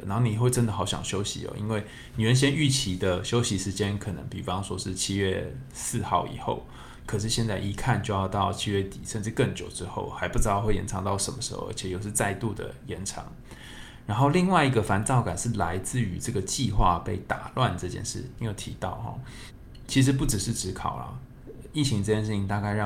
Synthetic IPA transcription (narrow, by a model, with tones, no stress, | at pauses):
na˧˥nxo˥˩ni˨˩xwe˥˩ɪʈ͡ʂə˦˥nd̪ə˨˩xɑ˧˥ʊɕjɑ̰˨˩ŋɕjo˥ʊɕḭ˧˦ɔ̰˨˦ʔḭ˥nwe˥˩ɪ | ni˨˩ɻə˧˦nɕ̬jɛ˥ny˥˩t͡ɕʰi˧˥d̪ə˨ɕjo˥ʊɕi˧˥ʂɻ̩˧˥t͡ɕjɛ˥nkʰɤ˨˩nə̰˧˦ŋpi˨˩fɑ˦ŋʂwɔ˥ʂɻ̩˥˧t͡ɕʰi˥ɥɛ˥˧ | sɹ̩˥˧xɑ˥˩ʊʔḭ˨˩xo̰˥˩ʊ | kʰɤ˨˩ʂ̬ɻ̩˥˧ɕjɛ˥˧nt͡sa˥˩ɪʔi˧˥kʰa˥˧nt͡ɕjo˥˧ʊjɑ˥˧ʊt̪ɑ˥˩ʊt͡ɕʰi˥ɥɛ˥˩t̪ḭ˨˩ʂə˥˧nʈ͡ʂɻ̩˥˧kə˥˩ŋt͡ɕjo˨˩ʊʈ͡ʂɻ̩˥xo̰˥˩ʊxa˧˥ɪpu˥˩ʈ͡ʂɻ̩˧˥d̪ɑ˥˧ʊxwe˥˩jɛ̰˧˥nʈ͡ʂʰɑ˧˥ŋt̪ɑ˥˩ʊʂə̰˧˦˥mə˧ʂɻ̩˧˥xo̰˥˩ʔə̰˧˥t͡ɕʰɛ˨˩jo˨˩ʊʂɻ̩˥˧t͡sa˥˧ɪt̪u˥˩d̪ə̰˩jɛ˧˥nʈ͡ʂʰɑ̰˧˥ŋ | ɻa˧˥nxo˥˧ʊli˥˧ŋwa˥˩ɪi˧˥ɡə˧fa˧˥nt͡sɑ˥˩ʊka˨˩nʂɻ̩˥˩la˧˥ɪt͡sɹ̩˥˩y˧˥ʈ͡ʂɤ˥˩ɡə˩t͡ɕi˥˧xwa̰˥˧pe˥˩ɪt̪a̰˨˩lwa˥˧nʈ͡ʂɤ˥˧t͡ɕjɛ̰˥˧nʂɻ̩̰˥˩˥jo˨˩ʊt̪ʰi˧˥t̪ɑ˥˩ʊxɔ̰˨˩ | t͡ɕʰi˧˥ʂ̬̩˧˥p̬u˥˩ʈ͡ʂɻ̩˨˩ʂɻ̩˥˩ʈ͡ʂɻ̩˧˥kʰɑ˨˩ʊlɐ̰˩ | i˥˩t͡ɕʰi˧˥ŋəɤ˥˧t͡ɕjɛ˥˧ʂɻ̩˥˩t͡ɕʰi˧ŋnt̪a˥˧ka˥˧ɪɻɑ˥˧